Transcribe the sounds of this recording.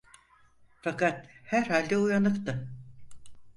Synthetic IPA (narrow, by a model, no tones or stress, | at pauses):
fakat̪hæɾhalʲd̪ɛujanɯkt̪ɯ